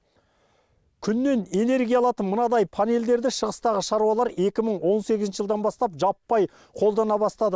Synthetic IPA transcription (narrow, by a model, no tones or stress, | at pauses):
kʲʰʏnːe̞ne̞ne̞ɾɡʲijɑlˠɑt̪ənmənɑd̪ɑjpʰane̞ld̪e̞ɾd̪ɪʃəʁəst̪ɑʁəʃɑɾuɑlˠɑɾe̞kʲɪməɴwo̞nse̞ɡʲɪznʃəʒəlˠd̪ɑnbɑst̪ɑpʒɑpːɑj | qʰo̞lˠd̪ɑnɑbɑst̪ɑd̪ə